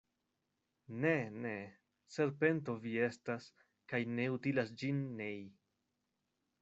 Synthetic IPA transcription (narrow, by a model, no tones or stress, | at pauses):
ne̞ne̞ | se̞ɾpe̞nto̞vie̞stas | kajne̞utilasd͡ʒinːej